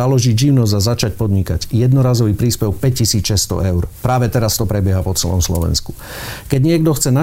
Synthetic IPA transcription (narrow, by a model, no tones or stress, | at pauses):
alɔʒiɟd͡ʒiʊnɔzzazat͡ʃacpɔd̪ɲikaɟjɛd̪nɔɾaːzɔʋiːpɾiːspɛʊpɛc̚cːisiːt͡sʃɛst̪ɔ̰ʔɛʊɾpɾaːʋɛt̪ɛɾast̪ɔpɾɛbɪɛɦapɔt͡sɛlɔ̰mslɔ̰ʋɛ̰nsku̥ | kɛɟɲɪɛɡd̪ɔxt͡sɛna